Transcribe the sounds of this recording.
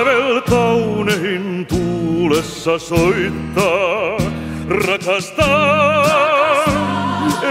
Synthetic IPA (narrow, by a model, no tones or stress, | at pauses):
ʋelkɑunehint̪uːlesːɑsoit̪ːɑː | rɑkɑst̪ɑː